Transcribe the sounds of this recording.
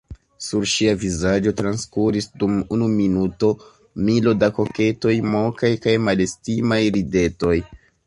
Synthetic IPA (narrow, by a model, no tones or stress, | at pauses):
suɾʃiavizad͡ʒo̞tɾanskuɾisdumunuminuto̞ | milo̞dako̞ke̞to̞jmo̞kajkajmale̞stimajɾide̞to̞j